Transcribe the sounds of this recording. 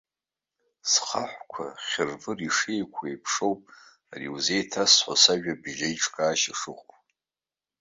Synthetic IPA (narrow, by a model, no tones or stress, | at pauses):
sχaħʷkʷʰa̰χʲɪrvɨriʂejkʷʰajpʰʂo̞wpʼ | arḭwuzejtʰasħʷa̰saʒᶣabʒʲejʈ͡ʂʰʼkʼaːʃaʂɨqʼpʼ